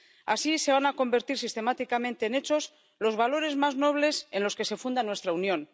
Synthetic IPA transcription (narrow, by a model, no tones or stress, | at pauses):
asise̞β̞anako̞mbe̞ɾt̪iɾsist̪e̞mat̪ikamẽnt̪e̞ːne̞t͡ʃo̞s | lo̞zβalo̞ɾe̞zmazno̞β̞le̞se̞nlo̞ske̞se̞fund̪anwe̞st̪ɾaunjo̞n